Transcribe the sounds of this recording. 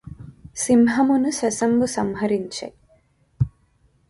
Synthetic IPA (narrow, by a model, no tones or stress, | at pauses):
simɦɐmunusɐsɐmbusɐmɦɐɾiɲt͡ʃḛ